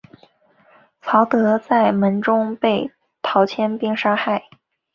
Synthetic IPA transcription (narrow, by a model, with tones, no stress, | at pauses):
t͡sʰɑ˧˥ʊt̪ɤ˧˥t͡sa˥˩ɪmə˧˥nʈ͡ʂʊ˥ŋpe˥˩ɪ | t̪ʰɑ˧˥ʊt͡ɕʰjɛ˥npi˥˩ŋʂa˥xa˥˩ɪ